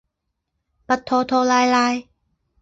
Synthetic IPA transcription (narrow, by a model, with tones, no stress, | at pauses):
pa˧t̪ʰːoː˧t̪ʰoː˧laː˧jlaː˧j